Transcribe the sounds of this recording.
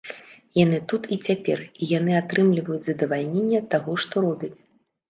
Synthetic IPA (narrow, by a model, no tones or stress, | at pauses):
janɨt̪ut̪it͡sʲapʲɛ̰rijanɨat̪ɾɨmlʲivɐjut͡sʲzɐd̪ɐvalʲnʲenʲːɐt̪ːaɣɔʂt̪ɔɾɔbʲɐt͡sʲ